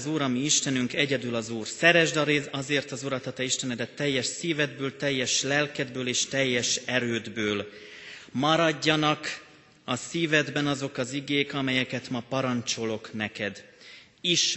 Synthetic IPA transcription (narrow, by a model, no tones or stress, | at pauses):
zuːɾɒmiiʃt̪ɛnyŋkɛɟɛd̪ylɒzuːrsɛɾɛʒd̪eɒzeːrt̪ɒzuɾɒt̪hɒt̪ɛiʃt̪ɛnɛd̪ɛt̪ːɛjːɛʃsiːvɛd̪bøːlt̪ɛjːɛʃlɛlkɛd̪bøːleːʃt̪ɛjːɛʃɛɾøːd̪bøːl | mɒɾɒɟːɒnɒk | ɒsiːvɛd̪bɛnɒzo̞kɒziɡeːkɒmɛjɛkɛt̪mɒpɒɾɒnt͡ʃo̞lo̞knɛkɛd̪ | iʃ